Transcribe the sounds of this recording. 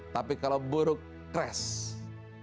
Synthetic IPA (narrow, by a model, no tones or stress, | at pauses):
t̪apikalobəɾʊkː | ɾɛs